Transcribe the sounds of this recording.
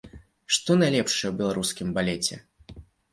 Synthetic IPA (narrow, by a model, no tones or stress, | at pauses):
ʂt̪ɔnajlʲɛpʂɨjɛwbʲɛlˠaɾuskʲimbalʲɛt͡sʲɛ̰